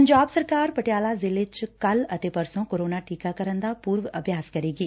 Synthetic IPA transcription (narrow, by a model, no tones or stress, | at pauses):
əɲd͡ʒaːbsəɾkaːɾpəʈjaːlazɪlɪt͡ʃkɐlɐt̪eːpɐɾsõkoːɾoːnaʈiːkakɐɾənd̪aːpuːɾʋɐbʱjaːskɐɾeːɡiː